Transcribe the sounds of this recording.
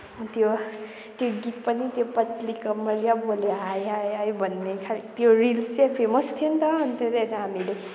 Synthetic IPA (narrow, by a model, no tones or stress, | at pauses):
t̪jo | t̪joɡit̪̚pʌnit̪jopʌt̪likʌmʌɾijaboleajajajbʱʌnːekʰat̪joɾilst͡sepʰemʌst̪ʰent̪ʌʌnt̪ed̪enɦamile